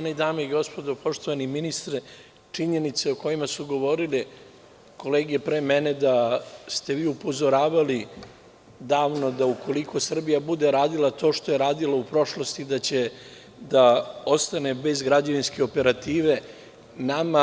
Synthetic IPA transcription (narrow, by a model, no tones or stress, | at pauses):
aneid̪aːmoiɡo̞spo̞d̪o̞po̞ʂt̪oʋaniminist̪ɾe | t͡ʂiɲe̞nit̪seoko̞jimasuɡo̞ʋo̞ːɾili | ko̞leːɡiepɾemene̞d̪ast̪e̞ʋiːupo̞zo̞ɾaːʋali | d̪aːʋno̞d̪auko̞likʰo̞sr̩bijabud̪e̞ɾaːd̪ilˠat̪o̞ːʃt̪o̞je̞ɾaːd̪ilaupɾo̞ʃlo̞st̪id̪at͡ɕe | d̪ao̞st̪ane̞be̞zɡɾad͡ʑeʋinske̞o̞pe̞ɾat̪iːʋe̞ | nama